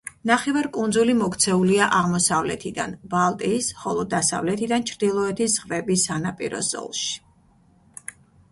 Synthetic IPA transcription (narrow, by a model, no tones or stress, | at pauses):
naχɛvaɾkʼund̪zulimɔkʰt̪sʰɛuliaʔaʁmɔsavlɛ̰t̪ʰid̪a̰nbalˠt̪ʼiːsχɔlˠɔd̪asa̰vlɛt̪ʰid̪ant͡ʃʰɾd̪ilˠɔɛt̪ʰisz̥ʁvɛbisanapʼḭɾɔ̰zɔ̰lˠʃi̥